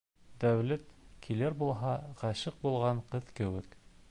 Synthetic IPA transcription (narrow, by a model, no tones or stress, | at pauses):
d̪æwlæt̪kʰilɘɾbulˠɦɑʁæʃɤq̚bulˠʁɑɴqɤðkɘ̆wɘk